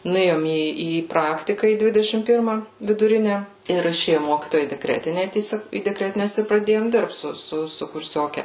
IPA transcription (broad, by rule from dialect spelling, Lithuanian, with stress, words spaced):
nʊˈeːjoːm ˈiː iː ˈprɑːktʲɪkɐ iː ˈdʲʋʲɪdʲɛʃʲɪm ˈpʲɪrmɐ ʋʲɪdʊˈrʲɪnʲɛ ɪr ɪˈʃʲeːjʊ ˈmoːkʲiːtoːjɛ iː dʲɛˈkrʲæːtʲɪnʲɛ tʲiɛˈsʲoːk iː dʲɛˈkrʲæːtʲɪnʲɛs ɪr prɐˈdʲeːjoːm ˈdʲɪrpt ˈsʊ sʊ sʊ kʊrʲˈsʲoːkʲɛ